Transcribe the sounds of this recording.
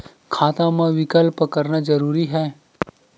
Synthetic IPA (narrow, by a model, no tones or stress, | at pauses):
kʰaːt̪ãmãʋɪkəlpəkəɾnad͡ʒɐɾuːɾiɦɛː